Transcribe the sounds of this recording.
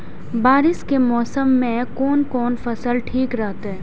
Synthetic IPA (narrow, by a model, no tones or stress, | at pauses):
baːɾɪskemɔːsəmːẽkɔːnkɔːnfɐsəlʈʰiːkɾɐɦt̪ɦɛː